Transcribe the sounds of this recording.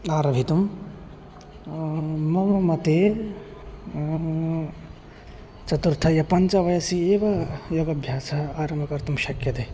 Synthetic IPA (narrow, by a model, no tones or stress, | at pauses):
aːɾɐbʱit̪um | mɐmɐmɐt̪eː | t͡ʃɐt̪uɾt̪ʰɐjɐpɐnt͡ʃɐʋɐjɐsieːʋɐjoɡɐbʱjaːsɐɦaːɾɐmʱɐkɐɾt̪umʃɐkjɐt̪eː